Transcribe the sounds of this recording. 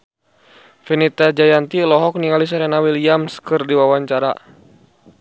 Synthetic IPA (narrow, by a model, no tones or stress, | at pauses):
finit̪ad͡ʒajant̪ilɔɦɔk̚niŋalis̬ɔɾɛnawiliamskɨrdiwawaɲt͡ʃaɾa